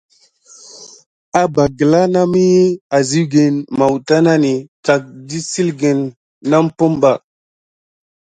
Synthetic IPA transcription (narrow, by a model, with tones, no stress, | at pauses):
a˨ba˨ɡə˨la˦na˦mi˦je˦a˨zi˦wɡe˨nma˨wta˦na˦ni˨ka˨k̚di˦si˦lɡe˨nː | a˦mpo˦mba˨